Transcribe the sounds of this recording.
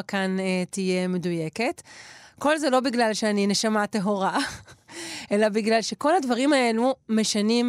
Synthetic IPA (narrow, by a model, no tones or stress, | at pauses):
kantije̞me̞duje̞ke̞tko̞lzelo̞biɡlalʃeanine̞ʃamateɦo̞ʁa | ʔe̞labiɡlalʃe̞ko̞ladvaʁimae̞lume̞ʃanim